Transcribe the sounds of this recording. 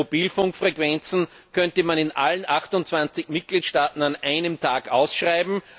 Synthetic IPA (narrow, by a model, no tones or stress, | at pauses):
ob̥iːlfʊŋkfʁekv̥ɛnt͡sn̩ | kʰœntəmanɪnʔa̰lənʔaxtʊntt͡sv̥ant͡sɪçmɪt̚ɡ̥liːtʃtaːtn̩anʔæɪnəmtʰaːkʔa̰ʊsʃʁaɪbm̩